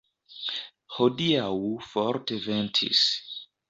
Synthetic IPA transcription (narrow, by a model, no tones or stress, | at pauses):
hodiawufɔɾteventʰḭs